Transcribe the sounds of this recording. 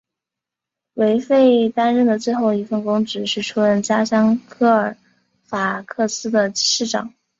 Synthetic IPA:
we˧˥ɪfe˥˩ɪt̪a˥nɻə˥˩nd̪ə˩t͡swe˥˧ɪxo˥˩ʊi˧˥˩fə˥˩nkʊ˥ŋʈ͡ʂɻ̩˨˩ʂɻ̩˥˩ʈ͡ʂʰu˥ɻə˥˩nt͡ɕja˥ɕjɑ˥ŋkʰɤ˥˩ə˞˨˩˥ | fa˨˩kʰɤ˥˩sɹ̩˥d̪ə˨ʂɻ̩˥˩ʈ͡ʂɑ̰˨˩˦ŋ

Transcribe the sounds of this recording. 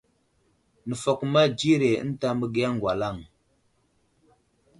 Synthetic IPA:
nə˨fɔ˨k̚ma˦d͡ʒi˦ɾḛ˨˦n̩˦ta˦mə˦ɡe˦a˦ŋ˨ɡwa˨la˦˨ŋ

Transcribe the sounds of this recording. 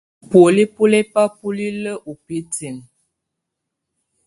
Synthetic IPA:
po˨li˦pu˦lɛ˦pa˦pu˦li˦lə˦ʔu˨pi˦ti˨m

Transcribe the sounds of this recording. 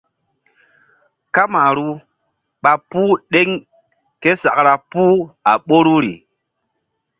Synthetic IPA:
ka˦ma˨ɾu˦ | ɓa˨puː˦ɗe˦ŋ | ke˦sa˨kɾa˨pu˦a˨ɓo˦ɾu˦ɾḭ˨

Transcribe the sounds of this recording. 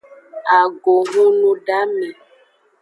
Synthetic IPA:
a˨ɡo˨ŋũ˦nũ˦ɖa˨˦mɛ̃˨

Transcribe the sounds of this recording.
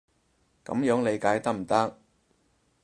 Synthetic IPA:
kɐ̰˨˥mjœː˨˥ŋle˨˧jkaː˨˥jt̪ɐ˥k̚m̩˨˩t̪ɐ˥k̚

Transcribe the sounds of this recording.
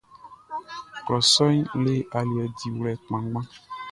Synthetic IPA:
klɔ˨sɔ˦ɲle˦ʔa˨lu˨ɛ˨di˨wlɛ˨k͡pmã˨ɡ͡bã˦

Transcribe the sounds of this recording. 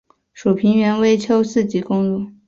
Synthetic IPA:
ʂu˨˩pʰi˧˥ŋɥɛ˧˥nwe˥ɪt͡ɕʰjo˥ʊsɹ̩˥˩t͡ɕi˧˥kʊ˥ŋlu˥˩

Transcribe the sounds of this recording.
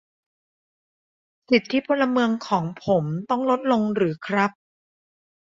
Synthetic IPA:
si˨˩t̪ʰːiː˦˥˩pʰo˧nla˧mɯ˧əŋkʰɔː˩˦ŋpʰo˩˦mt̪ɔ˥˩ŋlo˦˥t̪̚lo˧ŋɾɯː˩˦kʰɾa˦˥p̚

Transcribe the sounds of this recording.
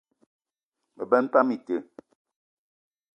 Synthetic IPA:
mə˨bɛ˦n˦pa˦mi˨tə˨

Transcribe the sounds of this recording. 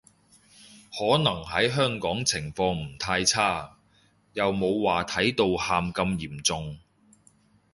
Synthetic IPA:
hɔː˨˥nɐ˨˩ŋɦɐ˨˥jɦœː˥ŋkɔː˨˥ŋt͡sʰɪ˨˩ŋfɔː˧ŋm̩˨˩t̪ʰaː˧jt͡sʰaː˥˩ | jɐ˨wmo˨˧wwaː˨t̪ʰɐ˨˥jt̪o˧whaː˧mkɐ˧mjiː˨˩mt͡sʊ˨ŋ

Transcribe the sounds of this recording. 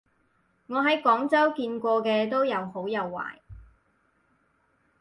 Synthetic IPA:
ŋɔː˨˧ɦɐ˨˥jkɔː˨˥ŋt͡sɐ˥wkiː˧nkʷɔː˧kɛː˧t̪o˥wjɐ˨˧who˨˥wjɐ˨˧wːa̰ː˨˩j

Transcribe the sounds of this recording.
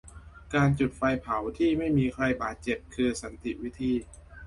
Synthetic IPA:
kaː˧nt͡ɕu˨˩t̪̚fa˧jpʰa˩˦wt̪ʰiː˥˩ma˥˩jmiː˧kʰɾa˧jbaː˨˩t̪̚t͡ɕe˨˩p̚kʰɯː˧sa˩˦nt̪i˨˩wi˦˥t̪ʰiː˧

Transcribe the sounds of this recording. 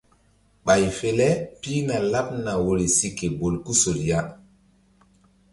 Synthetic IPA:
ɓa˨jfe˨lɛ˦piː˦na˨la˦p̚na˨wo˨ɾe˨si˨kːe˨bo˨lku˦so˨lja˦

